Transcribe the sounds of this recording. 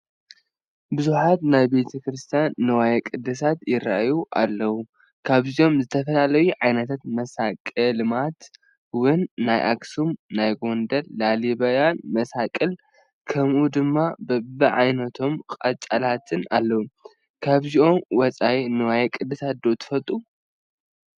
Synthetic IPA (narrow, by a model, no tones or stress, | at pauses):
bɨzuħat̪najbe̞t̪ʰɐkɾɨst̪ʰijanːɨwajɐkʼɨd̪ɨs̬at̪jɪɾaʔjuʔa̰lːɐwu | kʰaβziʔo̞mzɨt̪ʰɐfɐlalɐjuʕajnɐt̪ʰat̪mɐsakʼɨlmat̪ | wɨnːajʔa̰ksumnajɡo̞nd̪ɐlːalibajanmɐsakʼɨl | kʰɐmʔud̪ɨmːabɐbɨʕajnɐt̪ʰo̞mkʼɐt͡ʃʼːalat̪ʰɨnalːɐwu | kʰaβzio̞mwɔt͡sʼajnɨwajɛkʼɨd̪ɨsat̪̚d̪o̞t̪ʰɨ̥fɐt̪ʼu